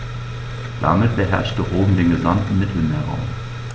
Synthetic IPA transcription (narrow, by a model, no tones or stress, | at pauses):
d̪̥æ̰ːʁmeːd̪̚bəɦæ̰ʁʃtəʁoːmd̪ɪŋəlɑnd̪mɪd̪l̩meːʁɔ̰m